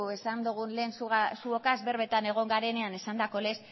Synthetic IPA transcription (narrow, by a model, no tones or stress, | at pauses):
esand̪uɣ̞unleːnssuokazβe̞ɾβe̞t̪ane̞ɣ̞o̞ŋɡaɾe̞ne̞ane̞sand̪ako̞le̞s